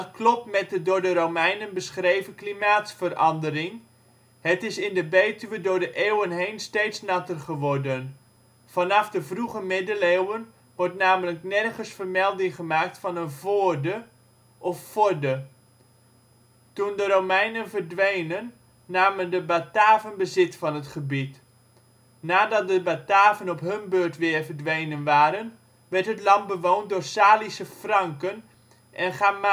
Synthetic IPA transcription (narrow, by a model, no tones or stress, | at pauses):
klɔpmɛt̚dədʊːɹdəɾowmɛjnənbəsχrejvəklimaːtsfərɑndəɾɪŋ | hətɪsɪndəbeːtyʋədʊːɹdəʔeːwənɦejnstejtsnɑtərχəʋɔrdən | v̥ɑnɑfdəvruɣəmɪdəlewən | ʋɔrtnaːmələknɛrχəsfərmɛlˠdɪŋχəmaːk̚tfɑnənvoərdə | ʔɔffʊdə | tundəɾomɛjnənvərdʋejnənː | aːməndəbataːvənbəzɪtfɑnɦətχəbit | naːdɑt̚dəbataːvənɔpɦɵnbøːtʋɪːrvərdʋejnənʋaːɾən | ʋɛrtɦətlɑntbəʋownt̚dʊːrsaːlisəfrɑŋkən | ʔɛnχaː